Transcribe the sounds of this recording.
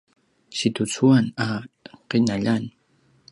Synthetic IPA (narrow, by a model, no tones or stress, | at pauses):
sit̪ut͡suanaqinaʎan